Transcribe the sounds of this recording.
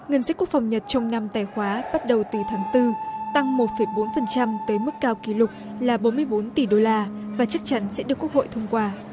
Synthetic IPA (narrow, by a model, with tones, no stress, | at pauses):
ŋə˨˩nsə˦˥ku˦˥ək̚fa˨˩wŋ͡mɲə˨˩t̚t͡ɕɔ˧wŋ͡mna˧mt̪aː˧˩jxwaː˨˦ɓa˦˥t̚ɗə˨˩wt̪ɨ˨˩t̪ʰaː˨˦ŋt̪ɨ˧t̪a˧ŋmo˨˩t̚fə˧˩jɓo˨˦nfə˨˩nt͡ɕa˧mt̪əː˨˦jmɨ˦˥kːaː˧wki˨˩lʊ˨˩k͡p̚laː˨˩ɓo˨˦nmɨ˧əjɓo˨˦nt̪i˧˩ɗo˧laː˧vaː˨˩t͡ɕa˦˥k̚t͡ɕa˨˦nsɛ̰˧˥ɗɨ˨˩əkːu˦˥ək̚ho̰˧˨jt̪ʰə˧ŋ͡mkwaː˧